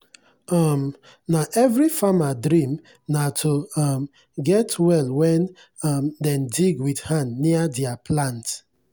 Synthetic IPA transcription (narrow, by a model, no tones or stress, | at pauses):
ɔm | naʔɛvɹifamadɹĩm | natʰoɔm | ɡɛtwɛlwɛ̃n | ɔmdɛ̃mdiɡwidhãndniadɛapʰlãnt